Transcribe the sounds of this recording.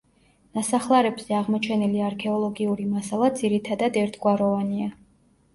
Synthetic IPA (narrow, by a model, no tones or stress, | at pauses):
nasaχlˠaɾɛbz̥ɛaʁmɔt͡ʃʰɛniliaɾkʰɛɔlˠɔɡiuɾimasalˠad̪ziɾit̪ʰad̪ad̪ɛɾt̪ʰɡwaɾɔvania